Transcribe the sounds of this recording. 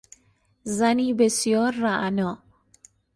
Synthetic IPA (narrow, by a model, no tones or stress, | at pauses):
zanibesijɔːɾːaʔnɔ